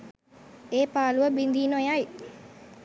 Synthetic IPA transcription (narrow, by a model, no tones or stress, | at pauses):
eːpaːluʋəbind̪iːnojaj